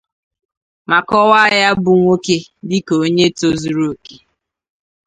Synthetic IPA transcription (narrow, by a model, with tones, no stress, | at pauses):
ma˨kɔ˦wa˦ja˦bʊ˨ŋʷo˦ke˦dɪ˦ko˨˦ɲe˦to˦zu˨ɾo˨ke˨